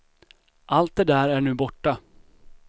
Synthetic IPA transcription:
ʔalt̪̚d̪ɛd̪æːɾæɳʉ̟ːbɔʈːa

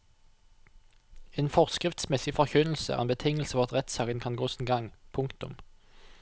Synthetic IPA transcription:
eːnfɔʁskʁɪft̪smɛsɪfɔʁçʉnl̩sə̰æ̰ʁḛːnbət̪ʰɪŋəl̩səfɔʋʁɑt̪ʁɛt̪sɑːkənkʰɑnɡoːsnɡɑŋpʰʊŋkt̪ʊ̰m

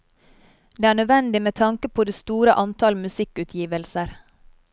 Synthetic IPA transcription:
d̪eːæːɳœʋɛnd̪ɪmeːt̪ʰɑŋkəpʰoːd̪eːst̪uːɾəʔɑnt̪ʰɑlmʉsɪkʉt̪ʰjiːʋəlsəɾ

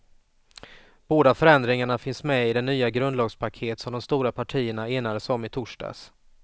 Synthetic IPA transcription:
b̥oːd̪afœɾɛnd̪ɾɪŋaɳafɪnsmɛɪd̪ɛnːyːaɡɾɵnd̪lɑːɡspʰakʰeːt̪sɔmd̪ɔmst̪uːɾapʰaʈʰiːəɳaeːnad̪əsɔmɪt̪ʰʊʂɖɑ̰ːs

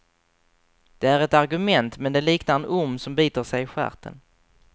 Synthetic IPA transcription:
d̪̥ɛæɾɛt̪aɾɡɵmɛnt̪mɛnd̪ɛliːknaɾɛnʊmːsɔmbiːt̪əʂɛjɪɧæ̰ɾt̪ʰə̰n

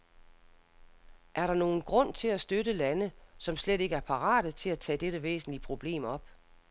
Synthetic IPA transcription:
ʔæɐɾɑ̈no̝ːn̩ɡ̥ʁɔ̽n̰t͡sʰe̝læsd̥øɾəlænəsɒ̽msleɾe̝ɡ̥əæɐpʰɑ̈ʁɑ̰̈ːɾ̥ət͡sʰe̝læt͡sʰɛ̰ːd̥eɾəʋḛːsn̩liəpʰʁo̝b̥le̝̰ːmɒ̽b̥

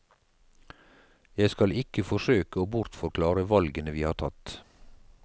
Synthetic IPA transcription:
jæɪskɑlɪkəfɔʃøːkəoːbʊɾt̪fɔɾkʰlɑːɾəʋɑlɡənəʋiːhɑːʈʰɑt̪

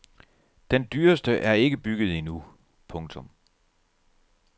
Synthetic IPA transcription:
d̥end̥yːɐsd̥əʔæɐe̝ɡ̥əb̥yɡ̥ð̞̩ˠinu | pʰɔ̽ŋt͡sʰɔ̽m

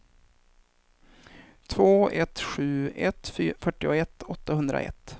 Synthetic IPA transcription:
t̪ʰvoːɛt̪ɧʉ̟ːɛt̪fyːfœʈːɪʊɛt̪ːɔt̪ːahɵnd̪ɾa̰ɛ̰t̪ː

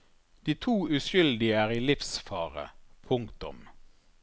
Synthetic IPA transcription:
d̪̥iːt̪ʰuːʉʃʏld̪ɪəæːʁiːlɪfsfɑːʁə̰pʰʊŋkt̪ʊ̰m

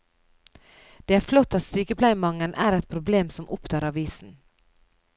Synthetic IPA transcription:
d̪̥eːæːɾflɔt̪ːɑt̪syːkəpʰlæɪmɑŋːənʔæːɾɛt̪̚pʰɾʊbleːmsɔmʔʊpt̪ʰɑːɾɑʋiːsn̩

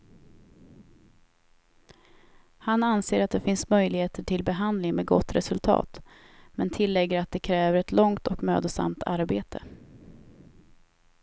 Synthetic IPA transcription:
hananseːɾat̪̚d̪ɛfɪnsmœjlɪɡheːt̪əʈʰɪlbɛɦand̪lɪŋmeːd̪ɡɔ̰t̪ːɾɛsɵlt̪ʰɑ̰ːt̪ | mɛnt̪ʰɪlːɛɡːəɾat̪̚d̪ɛkʰɾɛːvəɾɛt̪lɔŋt̪ɔkmø̰ːd̪əsa̰mt̪ʰaɾbeːt̪ʰə

